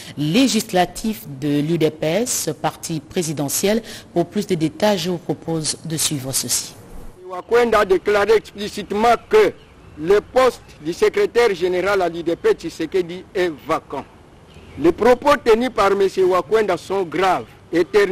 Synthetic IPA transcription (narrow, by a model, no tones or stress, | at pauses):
leʒislat̪ʰifd̪əlyd̪epɛspaʁt̪ʰipχezid̪ɑ̃sjɛlpuʁplysd̪əd̪et̪aʒəvupχopʰozd̪əsɥivʁəsəsi̥ | ewakwɛ̃d̪ad̪eklaʁeɛksplisit̪mɑ̃kə | ləpɔst̪d̪ysəkʁet̪ɛʁʒeneʁalalyd̪epɛt̪iseked̪iɛvakɑ̃ | lepʁopot̪ənypaʁmesewakwɛ̃d̪asɔ̃ɡʁav | et̪ɛ